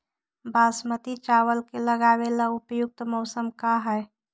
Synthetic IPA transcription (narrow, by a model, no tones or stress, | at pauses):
basmət̪it͡ʃawəlkeləɡaʋelaʊpjʊk̚t̪mɔʊsəmkaɦɛ